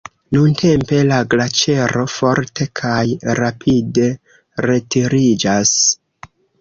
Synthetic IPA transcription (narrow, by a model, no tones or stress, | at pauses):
nuntʰe̞mpe̞laɡlat͡ʃe̞ɾo̞fo̞ɾte̞kʰajɾapʰide̞ | ɾe̞tiɾid͡ʒas